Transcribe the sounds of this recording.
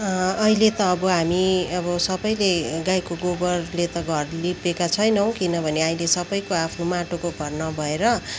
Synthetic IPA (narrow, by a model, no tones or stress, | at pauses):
ɦilet̪ʌːbʌɦamiʌbʌsʌbʌjleɡajkoɡobʌrlet̪ʌɡʱʌrlipekat͡sʰʌjnʌw̃kinʌbʱʌneaĩlesʌbʌjkoapʰnumaʈokoɡʱʌrnʌbʱʌeɾʌ